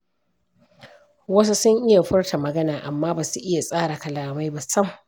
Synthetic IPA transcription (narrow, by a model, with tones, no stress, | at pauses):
wɐ˦s̬u˦sʊ˦ŋʔɪ˦ja˨ɸʊ˦rta˨mɐ˨ɡɐ˦naː˨ʔa˨mːaː˦baː˨su˨ʔɪ˦ja˨sʼaː˦ɽa˨kɐ˨laː˨ma˦jba˦sɐ˦m